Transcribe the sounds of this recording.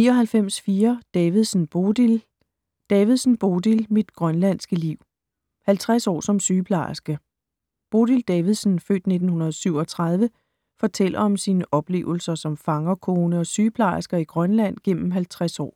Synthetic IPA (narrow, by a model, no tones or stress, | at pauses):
niːɒɦælfem̰sfiːɐd̥ɛːʋið̩ˠsn̩b̥odil | d̥ɛːʋið̞ˠsn̩b̥o̝d̥ilmid̥ɡ̥ʁɶnlæn̰sɡ̥əliʊ̰ | hælt͡sʰʁasɒ̰ːsɒ̽msyːpʰlɑ̰̈sɡ̥ə | b̥o̝d̥ild̥ɛːʋiðˠsn̩fø̰ːd̥ne̝d̥n̩hunɐðˠsyʊ̰ɒ̽t͡sʰʁɑ̈ð̞ˠʋə | fɒ̽t͡sʰel̰ɐɒ̽msiːnəʔɒ̽b̥le̝̰ːʊl̩sɐsɒ̽mfɑ̈ŋɐkʰoːnəɒ̽syːpʰlɑ̈sɡ̥ɐiɡ̥ʁɶnlæn̰ɡ̥en̰m̩ɦælt͡sʰʁasɒ̰ː